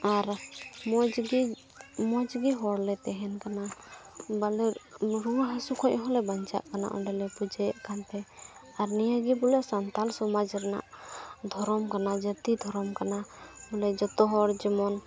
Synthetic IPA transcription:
aɾmɔd͡ʒɡi | mɔd͡ʒɡiɦɔɾlɛt̪ɛɦɛnkana | balɛɾuɦasukʰɔɲʔɦɔlɛbaɲt͡ʃa̰ʔkana̰ʔɔ̰ɳɖɛlɛpud͡ʒajɛʔkant̪ɛ | aɾnijaɡibɔlɛʔsant̪alsɔmad͡ʒɾɛna̰ʔd̪ʱɔɾɔmkanad͡ʒət̪id̪ʱɔɾɔmkanabɔlɛd͡ʒɔt̪ɔɦɔɾd͡ʒimɔn

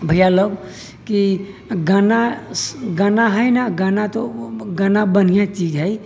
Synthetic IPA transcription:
bʱəjaləb | ki | ɡana | ɡanaɦəjnaɡanat̪oɡanabənijat͡ʃid͡ʒɦəj

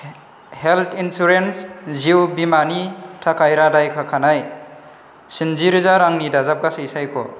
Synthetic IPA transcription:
heltʰinsuɾensziwbimanitʰakʰajɾadajkʰakʰanaj | sinziɾizaɾaŋnidazap̚ɡasejsajkʰo̰

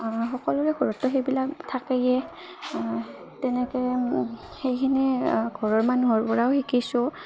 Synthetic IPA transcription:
xɔkɔlʊɹɛɡɔɹɔtːɔxejbilaktʰakejɛ | tɛnɛkɛ | xejkʰinɛɡʱɔɹɔɹmanuɦɔɹpɔɹawxikisʊ

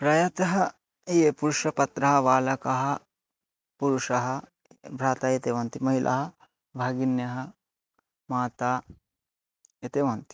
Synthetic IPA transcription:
pɾɐjɐt̪ɐɦɐ | jeːpuɾuʂɐpɐt̪ɾɐɦɐʋaːlɐkɐɦɐ | puɾuʂɐɦɐ | bʱɾaːt̪aːjet̪eːʋɐnt̪imɐɦilʔɐ̰ɦɐ | bʱaːɡinjɐɦɐ | maːt̪aː | ɐt̪eːʋɐnt̪i̥

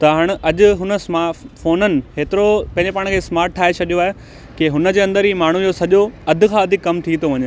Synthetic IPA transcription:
t̪ɐɦaːɽ̃ɐʄʊ̆ɦʊnə̆smaːfoːnənɪ̆heːt̪ɪɾopɐ̃ɪ̃ɲd͡ʑepaːɽ̃kʰeːsmaːɾʈʈʰːaːɦet͡ɕʰɐɗijoaːɦe | keɦʊnə̆d͡ʑeːɐ̃nd̪əɾɦiːmaːɳ̤ujosɐʄoɐd̪ʱʊ̆kʰãːɐd̪ʱɪkːɐmt̪ʰit̪ʰoʋɐɲ

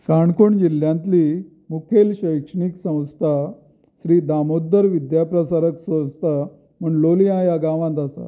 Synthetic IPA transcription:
kaɳkuɳd͡ʑiljãnt̪li | mukʰelɕəjkʂəɳiksə̃w̃st̪ʰa | ɕɾiːd̪amod̪ːəɾʋid̪japɾəsaɾəksʋə̃st̪ʰa | m̤əɳloliãjaɡãʋãnt̪asa̰

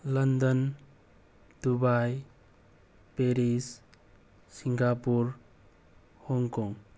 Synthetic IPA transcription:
lʌnd̪ɔn | d̪̥ubaj | peɾis | siŋɡapuɾ | hɔŋkɔŋ

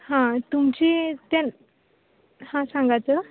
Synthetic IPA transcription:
hãt̪umt͡ɕit̪an | hãsãŋɡat͡sə

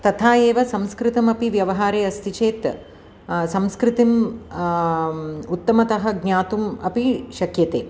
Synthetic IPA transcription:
t̪ɐt̪ʰaːjeːʋɐsɐmskɾɪt̪ɐmɐpiʋjɐʋɐɦaːɾeːɐst̪ʰit͡ʃeːt̪ | sɐmskɾit̪im | ut̪ːɐmɐt̪ɐɦɐɡɲaːt̪umɐpiʃɐkjɐt̪eː

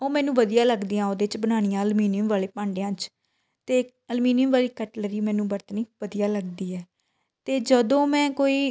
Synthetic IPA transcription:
oːmɛ̃ːnũːʋəd̪ijãːləɡd̪ijãːoːd̪eːt͡ʃbənaːɽ̃ɪjãːəlmiːnɪjəmʋaːleːpãːɳɖejãːt͡ʃ | t̪eː | əlmiːnɪjəmʋaːliːkəʈləɾiːmɛ̃ːnũːbəɾt̪əniːʋəd̪ijaːləɡd̪iːɛː | t̪eːd͡ʒəd̪õːmɛ̃ːkoːiː

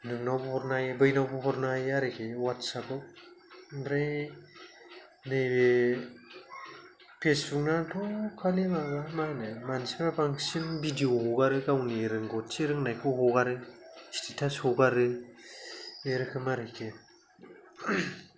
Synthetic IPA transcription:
nɯŋnawbpɔɾnajbɯjnawbɯpʰɔɾnajaɾɯkʰewatsabɯ | nɾaj | nɯjbe | pʰespuŋnatʰɔkʰalimaɡamanɯmansibapaŋsinbidiohoɡaɾɯɡawniɾɯŋɡɔtt͡ʃiɾɯŋnajkʰɯɦoɡaɾɯsi̥titʰashoɡaɾɯ | eɾɯkʰɯmaɾɯkʰe

